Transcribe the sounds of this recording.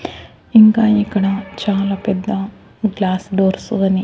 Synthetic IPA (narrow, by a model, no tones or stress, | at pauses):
iŋɡaːjikːɐɳɐt͡ɕaːlaped̪ːɐ | ɡlaːsɖoːɾsuɣɐni